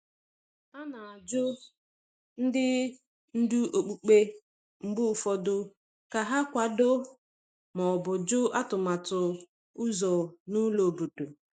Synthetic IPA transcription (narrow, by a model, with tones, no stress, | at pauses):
ta˦na˨a˨d͡ʒʊ˦ | n̩˦dɪ˦ | n̩˦du˦ʔo˨k͡pu˨k͡pe˦ | ŋ͡m̩˨ɡ͡bu˦˨fɔ˨dʊ˦ | ka˨ɦa˦kʷa˨dʊ˦ | mɔ˨bʊ˨d͡ʒʊ˦ʔa˦tʊ˨ma˨tʊ˨ | ʊ˦zɔ˨nʊ˦lo˨bu˨tu˨